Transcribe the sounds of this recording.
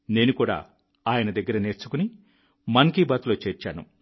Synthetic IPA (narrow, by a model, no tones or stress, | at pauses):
ne̞ːnukuːɽa̰ː | aːjɐnɐd̪ɐɡːɐɾɐne̞ːɾt͡ʃu̥kuni | mɐŋkiːbaːt̪lo̞ːt͡ʃeːɾt͡ʃaːnṵ